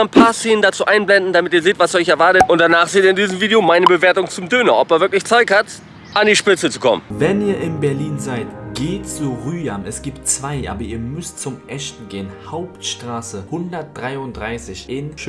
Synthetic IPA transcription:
anpʰaːɐseːnəndat͡suːʔaɪnblɛndn̩damɪtiːɐzeːtv̥asɔʏçɛɐvaɐtətʔʊnt̚d̥anaːχz̥eːteɐɪndiːzəm̩viːdeomaɪnəbəveːɐtʊŋt͡sʊmdøːnɐʔɔpɛɐvɪɐklɪçt͡saɪkhat | ʔandiːʃpɪt͡sət͡su̥kʰɔ̰mənvɛniːɐʔɪnbɛɐliːnzaɪtɡ̥eːtt͡suʁyːamɛsɡ̥iːptt͡sv̥aɪʔa̰ːbɐiːɐmʏstt͡sʊmʔɛstn̩ɡeːənhaʊptʃtʁ̥aːsəhʊndɐt̚d̥ʁaɪʊntd̥ʁaɪsɪçʔɪn

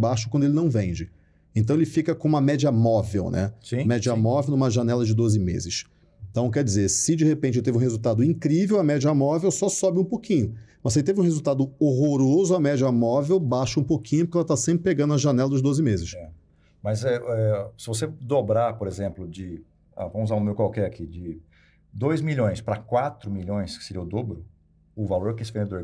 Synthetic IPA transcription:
baʃʊkwɐ̃d̪ʊelɪnɐ̃w̃vẽd͡ʒɪ | ẽt̪ɐ̃w̃elɪfikɐkõũmɐmɛd͡ʒiɐmɔvḛwnʔɛ̰sĩmɛd͡ʒiɐmɔvewnũmɐʒanɛlɐd͡ʒɪd̪ozɪmḛzɪʃ | ẽt̪ɐ̃w̃k̬ɛɾd͡ʒɪzesɪd͡ʒɪhepẽnt͡ʃɪt̪evɪũhezuwt̪ad̪ʊĩkɾivewɐmɛd͡ʒiɐmɔvewsɔsɔbɪũpokĩɲʊmɐseɪt̪evɪũhezuwt̪ad̪ʊoɦoɾozʊɐmɛd͡ʒɐmɔvewbaʃɐũpokʰĩɲʊp̬ʊɾkɛlɐt̪asẽmpɾɪpeɡɐ̃d̪ʊɐʒanɛlɐd̪ʊzd̪ozɪmezɪʃɛ | mɐzɛɛsɪvos̬ed̪obɾapoɾezẽmplʊd͡ʒɪ | a̰võmʊuzãumewkwawkɛakʰid͡ʒɪ | d̪ojzmiʎõj̃spɾɐkwat̪ɾʊmiʎõj̃skɪ̥seɾḭɐʊd̪obɾʊ | ʊvaloɾɛkesɪ̥vẽd̪oɾ

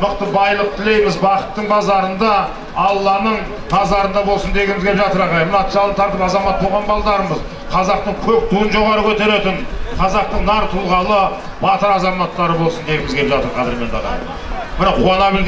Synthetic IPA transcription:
məqt̪əbɑjlˠəq̚t̪ʰɪle̞jmɪzbɑqə̥t̪ːəɴbɑzɑɾənd̪ɑ | ɑlˠːɑnəɴ | bɑzɑɾənd̪ɑbo̞lˠsənd̪e̞ɡʲɪmɪzɡʲepʒɑt̪əɾɑʁɑjmnɑt̪ʒɑlˠət̪ːɑɾd̪əɑzɑmɑt̪ʰːowʁɑnbɑlˠd̪ɑɾəməz | qʰɑzɑqt̪əɴkʲʰɵp̚t̪ʰujənʒo̞ʁɑɾəkʲʰɵt̪e̞ɾe̞t̪ɪnqʰɑzɑq̚t̪əɴnɑɾt̪ʰʊlˠʁɑlˠə | bɑt̪əɾɑzɑmɑt̪ːɑɾəbolˠsənd̪e̞ɡʲɪmɪzɡʲepʒɑt̪əɾqʰɑd̪ɪɾme̞nt̪ɑʁɑ̰j | bɪɾɑqqʰːuɑnɑbɪlɡ

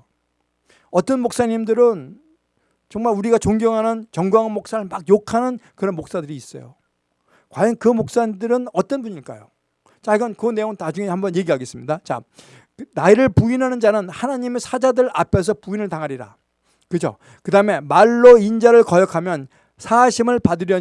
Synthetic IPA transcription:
ʌt͈ʌnmok̚s͈aɲimdɯɾɯn | t͡ɕʌŋmaɭuɾiɡat͡ɕoŋɡjʌŋɦanɯnt͡ɕʌŋɡwaŋnmok̚s͈aɾɯɭmak̚jokʰanɯnkɯɾʌnmok̚s͈adɯɾiːs͈ʌ̰jo̰ | kwajʌnkɯmok̚s͈aɲidɯɾɯnʌt͈ʌnbuɲiɭk͈a̰jo | t͡ɕaiɡʌnkɯne̞joŋɯtnad͡ʑuŋe̞hambʌnje̞ɡiɦaɡe̞s͈ɯmɲidat͡ɕa̰ | naiɾɯɭpuinɦanɯnd͡ʑanɯnhanaɲimesʰad͡ʑadɯɾʔapʰes̬ʰʌpuinɯɭtaŋɦaɾiɾa̰ | kɯd͡ʑo̰ | kɯdaɯme̞maɭːoind͡ʑaɾɯɭkʌjʌkʰamjʌn | sʰaːɕʰimɯɭpadɯɾjʌ

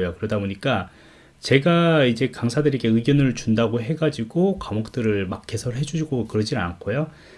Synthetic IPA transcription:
jokɯɾʌdaboɲik͈a | t͡ɕe̞ɡaid͡ʑe̞kaŋsʰadɯɾiɡʰeɯɡjʌnɯɭt͡ɕundaɡoɦe̞ɡad͡ʑiɡokamʌk̚t͈ɯɾɯɭmak̚k͈ʰe̞sʰʌɭɦe̞d͡ʑuɕʰiɡokɯɾʌd͡ʑinɯa̰nkʰojo

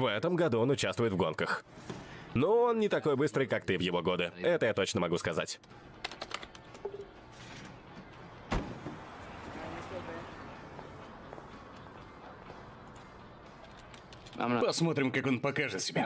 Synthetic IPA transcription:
vɛt̪əmɡɐd̪uo̞nʊt͡ɕast̪vʊjɪt̪vɡo̞nkəx | noonːnʲɪt̪ɐko̞jbɨst̪ɾɨjkak̚t̪ɨvjɪvo̞ɡo̞d̪ɨɛt̪əjat̪o̞t͡ɕnəmɐɡuskɐza̰tʲ | pɐsmo̞t̪ɾʲɪmkako̞npɐkaʐɨt̪sʲɪbʲa

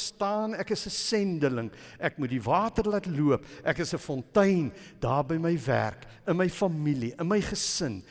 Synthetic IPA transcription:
stɑːnɛkəsəsɛndələŋʔɛkmutdivɑːtərlɐtluəpʔɛkəsəfɔntəjnd̥ɑːrbəjməjvæ̰rk | ənməjfɐmiliənməjχəsən

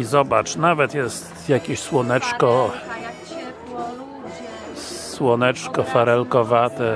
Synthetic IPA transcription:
izɔbat͡ʂnavɛt̪jɛst̪jakʲeɕswɔnɛt͡ʂkɔ | swɔnɛt͡ʂkɔfaɾɛlkɔvat̪ɛ

